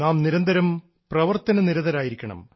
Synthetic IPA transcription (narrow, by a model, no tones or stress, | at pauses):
naːmniɾɐnd̪ɐɾɐm | prɐʋɐrt̪ɐnɐniɾɐðɐɾaːjiɾikʲːɐɳɐ̰m